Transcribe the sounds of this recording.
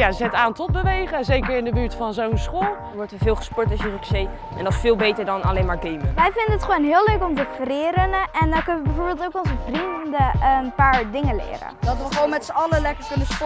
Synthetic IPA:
jazɛtaːntɔt̚bəʋejχəzejkəɹɪndəbyːɹtfɑnzownsχolˠ | ʋɔɹtʋəvɪːlˠχəspɔɹtɔsjərəksej | ʔɛndɔsfɪːlˠbejtəɹdɔna̰lejnmaːɹɡejməʋɛjfɪndənətχəʋownɦɪːløɥkɔmtəfrɪːɾənɛndɔkʏnəʋəbɛjvoːɹbeːlˠtowkɔnˠzəvrinəndəənpaːɹdɪŋəlɪ̰ːrə̰dɔtʋəχəʋownmɛtsəɑləlɛkəɹʋɪnəspɔ

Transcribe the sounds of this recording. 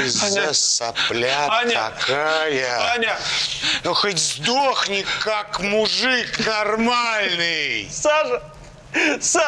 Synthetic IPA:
ɪzʲdʲesɐplʲat̪ʲɐ̰kʰajə | xətʲzd̪oxnʲɪkːakmʊʐɨknɐrmalʲnɨjsaʐ | sa

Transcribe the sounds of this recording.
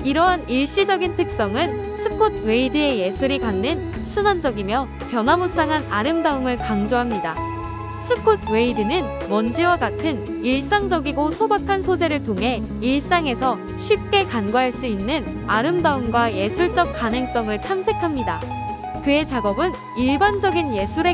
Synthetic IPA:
iɾʌɦaniɭɕ͈id͡ʑʌɡintʰɯk̚s͈ʌŋɯn | sʰɯkʰot̚ʰwe̞idɯe̞je̞sʰuɾikanːɯn | sʰunand͡ʑʌɡimjʌ | pjʌnɦwamos͈aŋɦanaɾɯmdaɯmɯɭkaŋd͡ʑoɦamɲida | sʰɯkʰot̚ʰwe̞idɯnɯn | mʌnd͡ʑiwaɡatʰɯn | iɭs͈aŋd͡ʑʌɡiɡosʰobakʰansʰod͡ʑe̞ɾɯɭtʰoŋɦe̞iɭs͈aŋe̞sʰʌ | ɕʰɥip̚k͈e̞kanɡoɦaɭs͈uinːɯn | aɾɯmdaɯmɡwaje̞sʰuɭt͡ɕ͈ʌk̚k͈anɯŋs͈ʌŋɯɭtʰamsʰe̞kʰamɲida | kɯe̞t͡ɕaɡʌbɯn | iɭband͡ʑʌɡinje̞sʰuɾe̞

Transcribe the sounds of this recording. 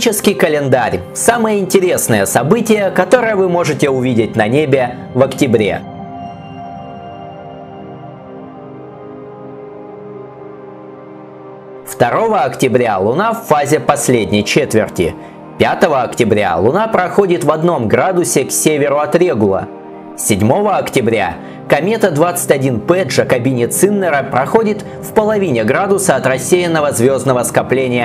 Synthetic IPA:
t͡ɕɪskʲɪjkəlʲɪnd̪aɾʲ | saməjəɪnʲtʲɪɾʲe̞snəjəsɐbɨtʲɪjəkɐt̪o̞ɾɨjəvɨmo̞ʐɨtʲɪʊvʲidʲɪtʲnɐnʲebʲɪ | vəktʲɪbɾʲḛ | ft̪ɐɾo̞vəɐktʲɪbɾʲalˠʊnafːazʲɪpɐsʲlʲedʲnʲɪjt͡ɕet̪vʲɪrtʲɪ̰ | pʲat̪əvəɐktʲɪbɾʲa̰lˠʊnapɾɐxo̞dʲɪt̪vɐd̪no̞mɡɾad̪ʊsʲɪksʲevʲɪɾʊɐt̪ɾʲe̞ɡʊlˠə̰ | sʲɪdʲmo̞vəɐktʲɪbɾʲa̰ | kɐmʲe̞t̪əd̪vat̪sɨ̥tʲɐdʲinpɛʐəkɐbʲinʲɪt̪sɨnːəɾəpɾɐxo̞dʲɪt̪ | fpəlˠɐvʲinʲɪɡɾad̪ʊsəɐt̪rɐsʲːejɪnːəvəzvʲo̞znəvəskɐplʲenʲɪjə

